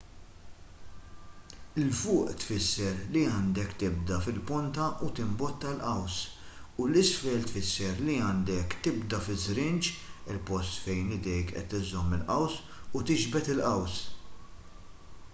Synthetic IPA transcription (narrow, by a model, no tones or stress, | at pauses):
ɪlfʊːʔt̪fɪsːɛɾliɐːnd̪ɛkt̪ɪb̚d̪ɐfɪlpɔnt̪ɐʔut̪ɪmbɔt̪ːɐlʔɐws | ulɪsfɛːlt̪fɪsːɛɾliɐːnd̪ɛkt̪ɪbd̪ɐfɪzɾɪnt͡ʃɪlpɔst̪fɛjnɪd̪ɛjkʔɛ̰t̪ːɪzɔmːɪlʔɐws | ut̪ɪd͡ʒbɛt̪ɪlʔɐws